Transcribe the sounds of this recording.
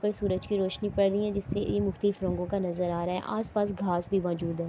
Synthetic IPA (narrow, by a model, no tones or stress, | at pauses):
pəɾsuːɾəd͡ʒkiɾoːʃnipɐɽɾəiɦɛ̃d͡ʒɪsːejemʊxt̪əlɪfɾɔ̃ːŋɡõkanɐzəɾaːɾaɦɛ̰ʔaːspaːsɡʱaːsbʱimɔːd͡ʒuːd̪ɦɛː